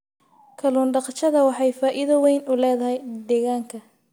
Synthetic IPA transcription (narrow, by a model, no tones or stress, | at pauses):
kʰɐluːnɖɑqt͡ʃɐðɐwɑħɑjfaːʔɪðɐwɛjnʊlɛːðɐɦɛjd̪ɛːɣaːŋkʰɐ